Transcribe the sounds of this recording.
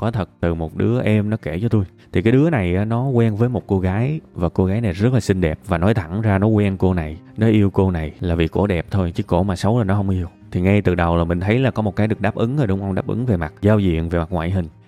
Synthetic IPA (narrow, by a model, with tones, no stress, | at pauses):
kɔ˨˦t̪ʰə˨˩t̚t̪ɨ˨˩mo˨˩t̚ɗɨ˨˦əʔɛ˧mnɔ˨˦ke˧˩t͡ɕɔ˧t̪u˧jt̪ʰi˨˩kaː˨˦jɗɨ˨˦əna˨˩jaː˨˦nɔ˨˦kwɛ˧nvəː˨˦jmo˨˩t̚ko˧ɣaː˨˦jvaː˨˩ko˧ɣaː˨˦jna˨˩jzə˦˥t̚laː˨˩sï˧ŋ̟ɗɛ˨˩p̚vaː˨˩nɔ˨˦jt̪ʰa̰˧˩ŋzaː˧nɔ˨˦kwɛ˧nko˧na˨˩j | nɔ˨˦ʔi˧əwko˧na˨˩jlaː˨˩vi˨˩ko̰˧˩ɗɛ˨˩p̚t̪ʰo˧jt͡ɕɨ˧˦ko̰˧˩maː˨˩sə˨˦wlaː˨˩nɔ˨˦ɦə˧wŋ͡mʔi˧əwt̪ʰi˨˩ŋa˧jt̪ɨ˨˩ɗə˨˩wlaː˨˩mï˨˩ŋ̟t̪ʰə˨˦jlaː˨˩kɔ˨˦mo˨˩t̚kaː˨˦jɗɨ˨˩ək̚ɗaː˦˥p̚ʔɨ˨˦ŋa˨˩ɗʊ˨˦wŋ͡mʔə˧wŋ͡mɗaː˦˥p̚ʔɨ̰˨˦ŋve˨˩ma˨˩t̚zaː˧wzḭ˧˨ənve˨˩ma˨˩k̚ŋwa̰ː˧˨jɦï˨˩ŋ̟